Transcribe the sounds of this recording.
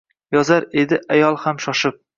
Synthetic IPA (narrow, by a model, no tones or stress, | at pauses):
jɒzaɾe̞d̪ɪʔajɒlˠhamʃɒʃɪp̚